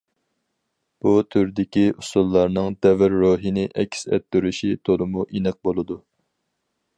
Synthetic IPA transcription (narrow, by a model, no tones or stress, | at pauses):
b̥ut̪ʰyɾd̪ɪkʲiusulˠːɑɾnɨŋd̪ɛvɪɾːoɦinɪʔɛkʲʰːsɛ̰t̪ːyɾyʃit̪ʰolˠɨmuʔinɪq̚bolˠɨd̪u